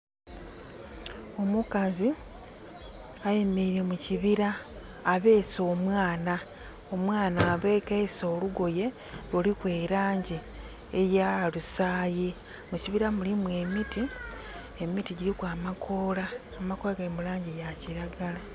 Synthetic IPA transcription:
o̞mukazi | ajemeiɾe̞muciβiɾaː | βe̞ːso̞ːmwaːna | o̞mwaːnaːβeːkeso̞ːluɡo̞je̞ | lolikwe̞ɾaːɲɟi | ejalusaːji | muciβiɾamulimwe̞miti | emitiɟiɾikwaːmakʰo̞ːlaː | makolaɡaemulaːɲɟijaciɾaɡala

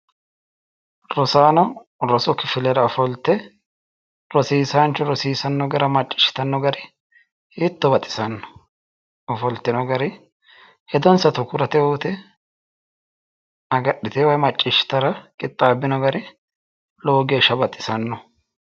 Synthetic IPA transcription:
ɾɔsaːnɔ | ɾɔsɔkɪfɪlɛɾɐɔfɔlt̪ːɛ | ɾɔsiːsant͡ʃːɔɾɔsiːsɐnːɔɡɐɾɐmɐt͡ʃʼːɪ̥ʃɪ̥t̪ɐnːɔɡɐɾɪ | ɪt̪ːɔbɐt̪ʼːɪ̥sɐnːɔ̥ | ɔfɔlt̪ːɪnɔɡɐɾɪ | hɛd̪ɔnsɐt̪ʊkʊɾɐt̪ɛuːt̪ɛ | ɐɡɐɗːɪt̪ɛwɐjmɐt͡ʃʼːɪʃɪ̥t̪ɐɾɐkʼɪt̪ʼːaːbːɪnɔɡɐɾɪ | loːɡeːʃɐbɐt̪ʼːɪ̥sɐnːɔ

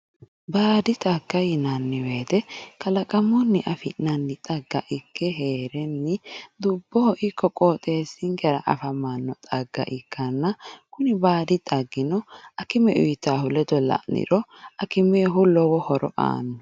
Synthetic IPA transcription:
baːd̪ɪt̪ʼɐɡːɐjɪnɐnːɪwe̞ːt̪ɛkɐlɐkʼɐmɔnːɪʔɐfɪnnɐnːɪt̪ʼɐɡːɐʔɪkːɛɦe̞ːɾɛnːɪd̪ʊbːɔhɔʔɪkːɔkʼoːt̪ʼe̞ːsɪŋɡɛɾɐʔɐ̰fɐmanːɔt̪ʼɐɡːɐ̰ʔɪkʰːɐnːɐkʊnɪbaːd̪ɪt̪ʼɐɡːɪnɔʔɐkɪmɛʔʊjt̪ːaːhʊlɛd̪ɔlɐ̰ʔnɪ̰ɾɔɐkɪmeːɦʊlːɔwɔhɔɾɔ̰ʔa̰ːnːɔ

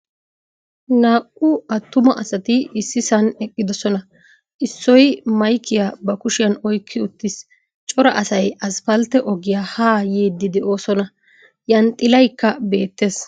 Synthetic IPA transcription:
naːkʼːʊɐt̪ːʊmɐʔɐsɐt̪ɪɪsːɪsɐnɛkʼːɪd̪ɔsɔnɐ | ʔɪsːɔjmɐjkʰːɪjaːbɐkʊʃɪjɐnɔjkʰːɪʊt̪ːɪs | t͡ʃʼɔɾɐʔɐsɐjɐsfɐlt̪ːɛʔɔɡɪjaːhaːjeːd̪ːɪd̪ɛʔo̞ːsɔnɐ | jɐnt̪ʼːɪlɐjkːɐbe̞ːt̪ːe̞ːs

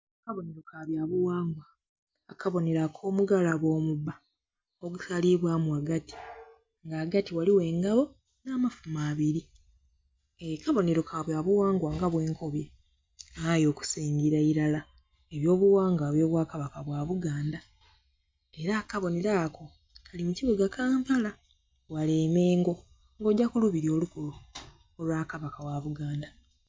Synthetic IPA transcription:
akaβo̞ne̞ɾokaβjaβuwaːŋɡwaː | kaβo̞ne̞ɾakʰo̞ːmuɡalaβo̞ːmubːa | oɡusaliβwamwaɡati̥ | ŋɡaːɡatiwaliwe̞ːŋɡaβo̞ | naːmafumaːβiɾi | ekaβo̞ne̞ɾo̞kʰaːβjaːβuwaːŋɡwaŋɡaβwe̞ːŋkʰo̞βje | ajo̞ːku̥siːɲɡiɾaiɾala | e̞βjo̞ːβuwaːŋɡaoβjo̞ːβwaːkaβakaβwaːβuɡaːnda | e̞ɾakaβo̞neɾaːko̞ | kʰalimuciβoɡakaːmpala | waleːme̞ːŋɡo̞ | ŋɡo̞ːɟːakuluβiɾo̞lukulu | olwaːkaβakawaβuɡaːnda

